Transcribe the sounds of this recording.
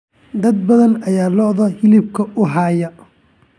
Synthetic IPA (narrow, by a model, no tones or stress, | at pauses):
d̪ɐd̪̚bɐðɐnɐjaːlɔʔðɐhɪlɪb̚kʰɐʔʊɦɑːjɐ